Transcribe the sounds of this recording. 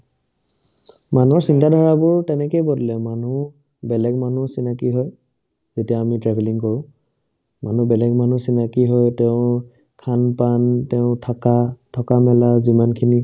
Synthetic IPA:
manɔɹsintadʱaɹabʊɹtɛnɛkejbɔdilɛmanu | bɛlɛɡmanusinakiɦɔj | zetijamitɹɛbʱɛliŋkɔɹʊ̃ | manubɛlɛɡman̤usinakiɦɔjtɛʊ̃ | kʰanpantɛʊ̃tʰakatʰɔkamɛlazimankʰini

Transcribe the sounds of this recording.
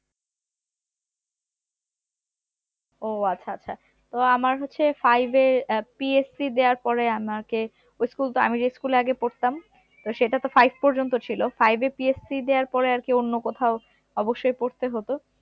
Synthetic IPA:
oatːɕʰaatːɕʰa | t̪oamaɾɦotːɕʰefajbepiesid̪eaɾpɔɾeamake | ojskult̪oa̰mid͡ʑeskuleaɡepoɾt̪am | t̪oʃeʈat̪ofajb̚ʱpɔɾd͡ʑont̪ot͡ɕʰilofajbepiessid̪eaɾpɔɾeaɾkeonːokot̪ʰao | ɔboʃːojpoɾt̪eɦot̪o

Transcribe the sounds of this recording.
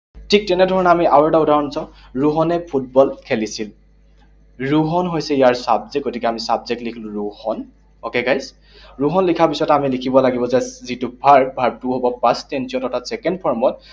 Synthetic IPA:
tʰik̚tɛnɛdʱɔɹɔnɛamiʔawɹɛtaudaɹɔnsãʊ̃ | ɹuɦɔnɛpʰut̚bɔlkʰelisil | ɹuɦɔnɦojsɛijaɹsabzek̚ɡotikɛamisabzek̚tlikʰilʊ̃ɹuhɔn | ɔkɛɡajs | ɹuɦɔnlikʰapisɔtamilikʰibɔlaɡibɔzɛzitʊbʱaɹbʱaɹ̚tuɦobɔpãstɛnsiɔtɔɹtʰatsɛkɛndpʰɔɹmɔt̚

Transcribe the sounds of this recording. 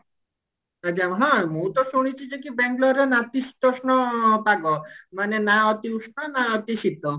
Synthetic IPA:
at͡ʃʰaɦãmũt̪ɔsuɽ̃it͡ʃʰid͡ʒek̬ibɛŋɡlɔɾenat̪iʃi̥t̪ɔsnɔpaɡɔmanenaɔt̪iusnɔnaɔt̪isit̪ɔ

